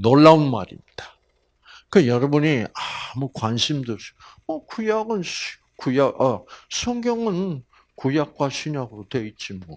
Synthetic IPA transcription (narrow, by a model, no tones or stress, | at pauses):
noɭːaunma̰ɾḭmɲid̥ḁ | kɯejʌɾʌbuɲiamukwanɕʰimdomʌkujaɡɯn | kujaɡʔasʰʌŋɡjʌŋɯn | kujak̚k͈waɕʰiɲaɡɯɾotwe̞it̚t͡ɕ͈imʌ